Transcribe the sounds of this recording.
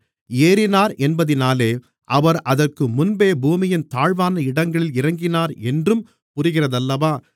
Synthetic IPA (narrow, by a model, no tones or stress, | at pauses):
eːɾɪnaːɾʔɛnbɐðɪnaːleː | ʔɐʋɐɾɐðɐrkɯmʊnbeːbuːmɪjɪnt̪aːɻʋaːnɐɪɽɐŋɡɐɭɪlɪɾɐŋɡɪnaːɾɛndrɯm | pʊrɪɣɪrɐðɐlːɐʋaː